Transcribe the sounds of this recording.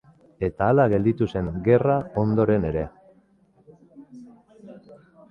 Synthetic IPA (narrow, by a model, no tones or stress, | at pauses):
e̞t̪aːlaɣe̞ld̪it̪use̞ŋɡe̞rao̞nd̪o̞ɾe̞ne̞ɾe̞